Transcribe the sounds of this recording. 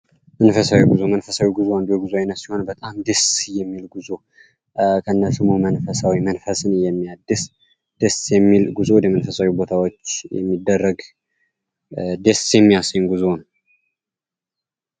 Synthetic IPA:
mənfəsawiɡuzomənfəsawiɡuzoand̪uuɡuzoajnːət̪siho̞nbət̪ʼamd̪əsjɛmːilɡuzo | kʰəɨnːəsumumənfəsawimənfəsɨnjɛmːijad̪ːɨs | d̪̥əsjɛmːilɡuzowd̪əmənfəsawibo̞t̪ʰawot͡ʃːjɛ̰mːid̪ːərːəɡ | d̪esjɛmːijasəɲɡuzon

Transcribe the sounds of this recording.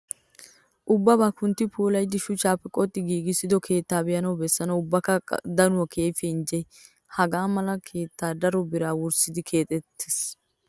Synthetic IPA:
ʔʊbːɐbaːkʊnt̪ːɪpʰuːlɐjd̪ːɪʃʊt͡ʃːaːpːɛkʼɔt̪ʼːɪɡiːɡɪsɪd̪ɔkʰe̞ːt̪ːaːbɛjɐnɐwbɛsːɐnɐwʊbːɐkːɐ̰d̪ɐnʊwɐkʰeːfɪnd͡ʒɛ | hɐɡaːmɐlɐkʰe̞ːt̪ːaːd̪ɐɾɔbɪɾaːwʊɾsɪd̪ɪkʰe̞ːt̪ʼɛt̪ːe̥s

